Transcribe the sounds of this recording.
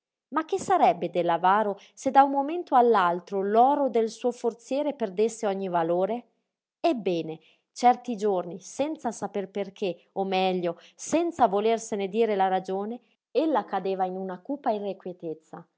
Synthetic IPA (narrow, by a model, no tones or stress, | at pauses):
mak̟ːesːaɾɛbːed̪elːavaːɾo | sed̪aummoment̪oalːalt̪ɾolɔːɾod̪elsuːofort̪sjɛːɾeperd̪esːeɔɲːivaloːɾe | ebːɛːne | t͡ʃɛrt̪id͡ʒornisɛnt̪sasaperperkʰe | omːɛʎːosɛnt̪savolersened̪iːɾelaɾad͡ʒoːne | elːakad̪eːvainunakuːpairːekwjet̪et̪sːa